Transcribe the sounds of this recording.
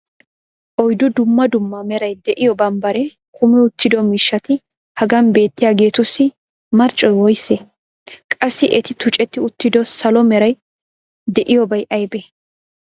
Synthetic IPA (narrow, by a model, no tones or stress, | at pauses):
ʔɔjd̪ʊd̪ʊmːɐd̪ʊmːɐmɛɾɐjd̪ɛʔɪjɔbɐnbɐɾɛ | kʰʊmɛʊt̪ːɪd̪ɔmɪʃːɐt̪ɪ | hɐɡɐnbe̞ːt̪ːɪjaːɡe̞ːt̪ʊsːɪ | mɐɾt͡ʃʼːɔjwɔjsːe | kʼɐsːɪʔɛt̪ɪt̪ʊt͡ʃʼɛt̪ːɪʊt̪ːɪd̪ɔsɐlɔmɛɾɐj | d̪ɛʔɪjɔbɐjʔɐjbe